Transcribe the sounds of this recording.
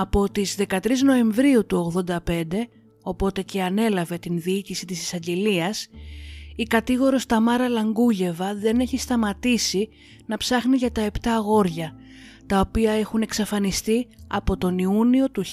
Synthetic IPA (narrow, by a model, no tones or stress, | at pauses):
ɐpo̞t̪izðe̞kɐt̪ɾizno̞e̞ɱvɾiut̪uo̞ɣðo̞nd̪ɐpe̞nd̪e̞ | o̞po̞t̪e̞ce̞ɐne̞lɐve̞t̪inðiicisit̪isi̥sɐɲɟe̞liɐs | ikɐt̪iɣo̞ɾo̞st̪ɐmɐɾɐlɐŋɡuʝe̞vɐðe̞ne̞çist̪ɐmɐt̪isi | nɐpsɐxniʝɐt̪ɐe̞pt̪ɐɣo̞ɾʝɐ | t̪ɐo̞piɐe̞xune̞ksɐfɐnist̪iɐpo̞t̪o̞niunio̞t̪u